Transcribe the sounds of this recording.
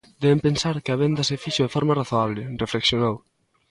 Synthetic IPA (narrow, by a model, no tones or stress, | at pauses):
d̪ɛβempensaɾkɪaβend̪ɐsefiʃoðefɔɾmaraθoaβlɪrefleksjonow